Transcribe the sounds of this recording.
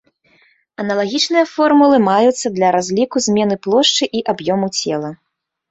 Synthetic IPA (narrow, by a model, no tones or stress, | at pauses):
ɐnɐlˠaɣʲit͡ʂnɨjɐfɔrmulˠɨmajut̪sːɐd̪lʲɐɾazʲlʲikuzʲmʲɛnɨplˠɔʂt͡ʂɨʔiʔabjɔmut͡sʲɛlˠɐ